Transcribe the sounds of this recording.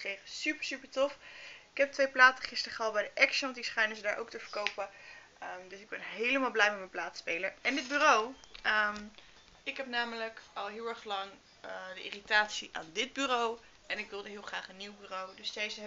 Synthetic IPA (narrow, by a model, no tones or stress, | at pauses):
krejχəsypəɹsypəɹtɔfɪ̥kɛp̚tʋejplaːtəχɪstəɹχəɑlˠbɛjdəʔɛksntdisχɛjnəzədaːɹʔo̰wktəvəɹkowpə | ədɵsɪɡ̚bɛnɦejləmaːlˠblɛjmɛtmənplaːtspejləɹɛndɪd̚byːrowəm | ɪkɦɛpnaːmələkɑlˠɦɪːlˠɛɹχlɑŋ | dəʔɪ̰ːritaːtsiʔa̰ːndɪd̚byːrow | ʔɛnɪkʋɪlˠdəɦɪːlˠχraːχənːiwbyːrowdɵsdejzə